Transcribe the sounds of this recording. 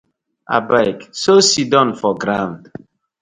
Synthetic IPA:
a̰baɪksosidɔ̃nfɔɡɾãʊ̃nd

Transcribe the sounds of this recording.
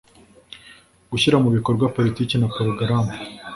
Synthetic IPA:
ɡuçiɾamuβikoɾɡwapo̞litiːkenapoɾuɡaɾama

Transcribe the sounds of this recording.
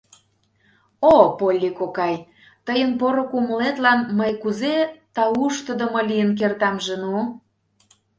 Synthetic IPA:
opolʲːikokɑj | t̪əjənpoɾokuməlet̪lɑnməjkuzet̪ɑuʃt̪əd̪əmɤlijənk̬ert̪ɑmʒenu

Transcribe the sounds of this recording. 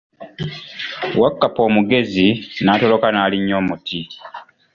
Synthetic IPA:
wakːapo̞ːmuɡe̞zinaːto̞lo̞kanaːliɲːo̞ːmuti

